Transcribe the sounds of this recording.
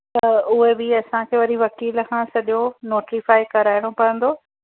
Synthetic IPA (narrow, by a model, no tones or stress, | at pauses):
t̪ɐʊɦebɪɐsãkʰeːʋɐɾiʋɐkiːlkʰãsɐɗonoːʈɾifaːikɐɾaːɪɽ̃opɐɾə̃nd̪oː